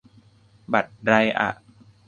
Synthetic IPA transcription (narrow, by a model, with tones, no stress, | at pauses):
ba˨˩t̪̚ɾa˧jʔa̰˨˩ʔ